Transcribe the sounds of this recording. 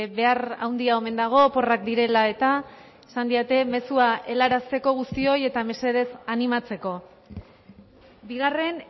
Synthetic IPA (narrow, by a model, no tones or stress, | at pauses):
be̞ara̰wnd̪iaome̞nd̪aɣ̞o̞po̞rak̚d̪iɾe̞lae̞t̪a | sand̪iat̪e̞me̞suaʔe̞laɾast̪e̞ko̞ɣ̞ust̪io̞je̞t̪ame̞se̞ð̞e̞sanimat͡se̞ko̞ | biɣ̞are̞n